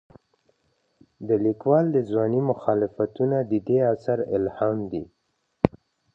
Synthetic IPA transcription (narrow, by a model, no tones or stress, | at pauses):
d̪əlikwɑld̪əzwɑnimʊxɑlɪfat̪unad̪əd̪easaɾɪ̰lhɑmd̪i